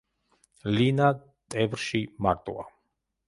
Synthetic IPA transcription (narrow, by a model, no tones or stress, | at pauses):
lina | t̪ʼɛvɾʃimaɾt̪ʼṵa̰